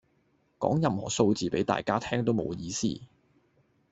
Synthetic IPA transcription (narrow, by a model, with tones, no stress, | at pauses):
kɔ̰ː˨˥ŋjɐ˨mhɔ̰ː˨˩so˧wt͡siː˨pe˨˥jt̪a̰ː˨jkaː˥t̪ʰɛː˥ŋt̪o˥wmo˨˧wjiː˧sḭː˥